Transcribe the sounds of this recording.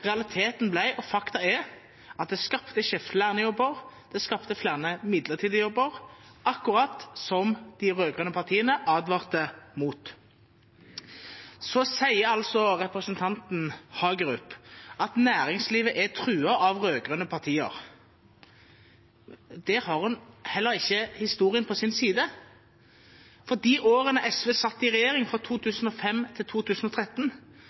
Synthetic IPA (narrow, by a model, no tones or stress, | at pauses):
ʁɛɑlɪt̪ʰeːt̪n̩blæɪʔɔfɑkt̪ɑɛ | ɑt̪̚d̪ɛskɑpt̪əʃɛft̪læːʁnəjɔbːəʁd̪̥ɛskɑpt̪əflæːʁnəmɪd̪ləʁt̪ʰiːd̪əjɔbːəʁʔɑkːʊʁɑt̪sɔmd̪̥ɪʁøːɡʁœnəpʰɑʁt̪ʰiːənəʔɑːd̪ʋɑːʁt̪əmuːt̪ | sɔsæɪəɑlsɔʁɛpʁəsnt̪ʰɑnt̪nhɑːɡɾʉpːɑt̪næːʁɪŋsliːʋəʔæt̪ʰʁʉːɑɑʋʁøːɡʁʉnəpʰɑʁt̪ʰiːə̰ʁ | d̪ɛːhɑʁhʉnhɛlːəʁɪçːəhɪst̪uːʁɪənpʰɔsɪnsiːd̪ə | fɔd̪iːʔoːʁənəʔɛsʋeːsɑt̪ːɪʁɛjeːʁɪŋfʁɔt̪ʰuːt̪ʰʉːsn̩ɔfɛmt̪ʰɪlt̪ʰuːt̪ʰʉːsn̩ɔt̪ʰʁɛt̪ːn